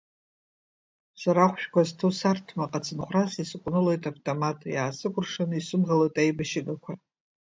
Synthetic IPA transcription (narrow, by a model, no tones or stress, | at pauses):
saɾaχʷʃᶣkʷaztʰusartʰmaqʼat͡sʰʼɨnχʷrasisɨkʷʼnɨlojtʼavtʼomatʼjaːsɨkʷʼʊrʂanɨisɨmʁalojtʼajbaʃiɡakʷʰa